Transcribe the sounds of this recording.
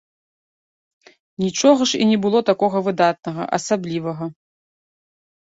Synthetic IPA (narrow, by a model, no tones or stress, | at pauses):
nʲit͡ʂɔɣɐʂḭnʲɛbɨlˠɔt̪akɔɣɐvɨd̪at̪̚nɐɣɐ̰ʔɐ̰sablʲivɐɣɐ